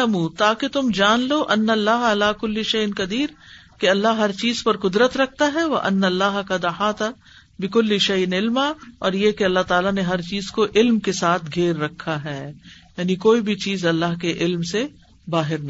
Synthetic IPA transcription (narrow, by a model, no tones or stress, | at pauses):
ɐmũːt̪aːket̪ʊmd͡ʒaːnloːʔɐnːɐlːaːɦɐlaːkʊlːiʃɐjɪnkɐd̪iːɾkeɐlːaɦɦɐɾt͡ʃiːzpɐɾqʊd̪ɾət̪ɾɐk̚ʰt̪aɦɛʋɐ̰ʔɐnːɐlːaːɦkad̪ɐħaːt̪a | bɪkʊlːiʃɐjnɪlmaɔ̰ːɾjekeɐlːaɦt̪aːlaneɦɐɾt͡ʃiːzkoʔɪlmkesaːt̪ʰɡʱeːɾːɐkʰːaɦɛːjaːnikoːibʱit͡ʃiːzɐlːaːɦkeʔɪlmse | baːɦɪɾnɐ̃